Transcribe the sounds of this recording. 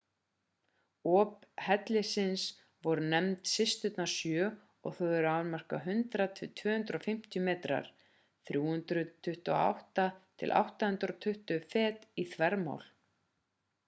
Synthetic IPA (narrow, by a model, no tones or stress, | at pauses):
ɔːp̚hɛt̪lɪsɪns | vɔɾʏnɛmt̪sɪst̪ʏt̪nasjœː | ɔ̰ɣθœwɛɾaːɾmar̥ka̰ɦʏnt̪ɾat̪ʰʏt̪ʰvʏːhʏnt̪ɾʏɔfɪm̥t̪jʏmɛːt̪ɾa̰ɾ̥ | θɾjuːhʏnt̪ɾʏt̪ʰʏht̪ʏɔ̰a̰wht̪at̪ʰɪ̰lʔa̰wht̪ahʏnt̪ɾɔt̪ʰʏht̪ʏfɛːt̪iθvɛɾma̰wl